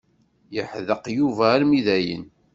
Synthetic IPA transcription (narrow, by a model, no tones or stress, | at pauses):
jəħðəqjuvæːɾmiðæjə̰n